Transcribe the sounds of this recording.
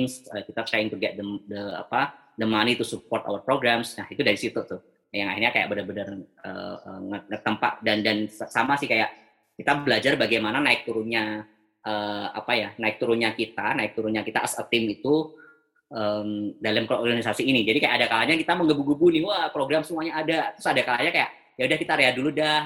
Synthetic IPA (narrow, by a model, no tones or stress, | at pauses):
ŋsəkit̪at̪ɾaɪŋk̪əɡiaʔdəmdəa̰pa | dəmanit̪usupɔrt̪a̰wərpɾoɡɾamsnahit̪udaɾisit̪ut̪ʊh | jaŋa̰hirɲakaja̰ʔbənərbənərə̰ə̰ŋəŋət̪ːəmpa̰ʔ̪̚dandansamasɪhkajaʔ | kit̪abəlad͡ʒarbaɡajmananaɪk̚t̪uɾʊnɲa | ʔəːa̰pajanaɪk̚t̪uɾʊnɲakit̪anaɪk̚t̪uɾʊnɲakit̪aʔəsə̰t̪ɪmit̪u | ʔəmdaləmkorɡanisasiːnid͡ʒadikajaʔadakalaɲakit̪aməŋɡəbuɡubunɪhwapɾoɡɾamsəmuaɲaːdat̪ɾʊsadakalaɲakajaʔ | jaudahkit̪aɾeaduludah